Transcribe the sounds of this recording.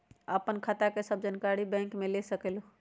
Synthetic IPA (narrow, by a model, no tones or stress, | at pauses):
əpənkʰat̪akesəb̚ʱd͡ʒənkaɾibɛ̃ŋkmelesəkelo